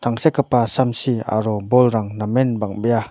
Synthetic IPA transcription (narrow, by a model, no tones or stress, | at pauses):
t̪ʰaŋsekːəpasamsia̰ɾɔbɔlɾaŋnamenbaŋbəja